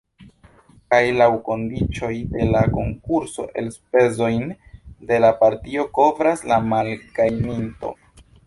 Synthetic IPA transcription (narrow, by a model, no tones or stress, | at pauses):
kajlawko̞ndit͡ʃo̞jde̞lako̞ŋkuɾso̞̰ʔe̞lspe̞zo̞jnde̞lapaɾtio̞ko̞vɾaslamalɡajninto̞̰